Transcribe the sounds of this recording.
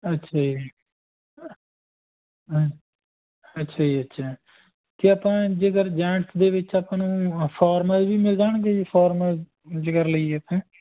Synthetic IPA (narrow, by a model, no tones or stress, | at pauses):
ətːʃʰaːi | ətːʃʰaːiːətːʃʰaː | k̪eaːpãːd͡ʒeɡəɾd͡ʒãːʈsd̪eːʋɪt͡ʃaːpãːnũːpʰaːɾməzbiːmɪld͡ʒaːɽɡepʰaːɾməz | d͡ʒɪkəɾləiet̪ẽː